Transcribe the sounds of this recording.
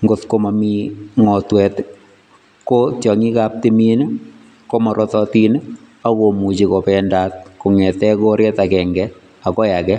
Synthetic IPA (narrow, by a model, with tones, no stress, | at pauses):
ŋɡotko˦ma˨mi˦ŋɔ˨twɛ˨t | ko˦tjɔ˨ŋi˦kap̚ti˦min | ko˦mɔ˨ɾʔɔ˦tɔ˦ti˦n | a˦ko˨mu˨t͡ʃi˨ko˨pɛ˨nda˦t̚ko˨ŋɛ˨tɛ˦ko˦ɾɛ˦ta˨kɛ˨ŋɡɛ | a˨kɔ˦ja˨kɛ˦